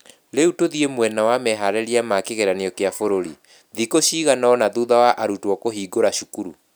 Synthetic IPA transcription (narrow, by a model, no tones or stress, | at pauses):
ɾeutoðiemwɛnawamɛɦaɾɛɾiamakeɣeɾaneɔkeafoɾoɾi | ðikoɕiːɣanaɔnaðuðawaʔaɾutwɔkoɦiːɡoɾaɕukuɾṵ